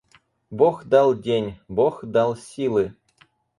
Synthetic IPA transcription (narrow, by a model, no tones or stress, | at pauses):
boxd̪ɑlˠdʲenʲboxd̪ɑlˠsʲilˠɨ